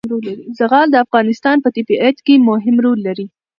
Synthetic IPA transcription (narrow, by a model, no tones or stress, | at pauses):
ɾolːaɾizaɣɑld̪əafɣɑnɪst̪ɑnpət̪ɪbiʔat̪kemʊɦɪmɾolːaɾi